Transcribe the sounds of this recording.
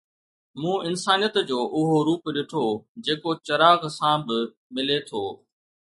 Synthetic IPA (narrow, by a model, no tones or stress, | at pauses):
mũːɪnsaːnijət̪d͡ʑoːʔʊɦoɾuːpɗɪʈʰoːd͡ʑeːkot͡ɕɐɾaːɣsãbɪ | mɪlet̪ʰoː